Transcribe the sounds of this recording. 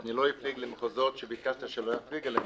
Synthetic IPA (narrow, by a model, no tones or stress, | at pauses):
niloifliɡlimχozot̪ʃɛbikaʃt̪iʃɛlojafliɡlɛ